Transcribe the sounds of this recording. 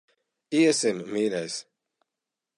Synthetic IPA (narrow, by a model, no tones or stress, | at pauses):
iɛsimːiːɾʲɛjs